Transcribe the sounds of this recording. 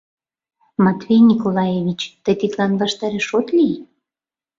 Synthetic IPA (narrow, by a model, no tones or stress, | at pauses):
mɑt̪vʲejnʲikolɑjeβʲit͡ɕt̪əjt̪it̪lɑnβɑʃt̪ɑɾeʃot̪lʲi